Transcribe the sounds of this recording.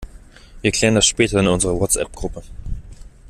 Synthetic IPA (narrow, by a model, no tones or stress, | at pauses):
viːɐkʰl̥ɛːʁndasʃpɛːtɐɪnʊnzəʁəwɔtt͡ssʔɛ̰p̚ɡ̥ʁʊpə